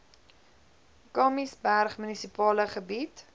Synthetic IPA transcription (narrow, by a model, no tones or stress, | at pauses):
kɑːmisbærχmynisipɑːləχəbit